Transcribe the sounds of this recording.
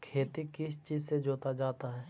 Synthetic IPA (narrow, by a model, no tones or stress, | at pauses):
kʰeːt̪ikɪst͡ʃiːzsed͡ʒoːt̪ad͡ʒaːt̪aɦɛː